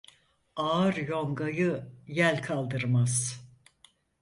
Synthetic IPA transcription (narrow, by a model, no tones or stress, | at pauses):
aːɾjo̞ŋɡajɯjælʲkʰalˠd̪ɯɾmaz̥